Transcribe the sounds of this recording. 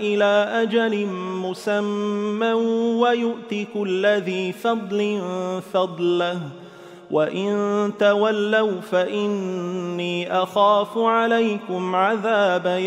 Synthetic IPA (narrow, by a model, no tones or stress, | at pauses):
ʔɪlaːʔad͡ʒalɪnmʊsamːawajʊʔt̪ɪkʊlːaðiːfɑd̪ˤlɪnfɑd̪ˤla | wʔaʔɪnt̪awalːawfaʔɪnːiːʔaxaːfʊʕalajkʊmʕaðaːba